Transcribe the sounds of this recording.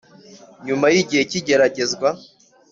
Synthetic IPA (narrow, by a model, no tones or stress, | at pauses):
ɲumajiɟihe̞ciɟe̞ɾaɟe̞zɡwa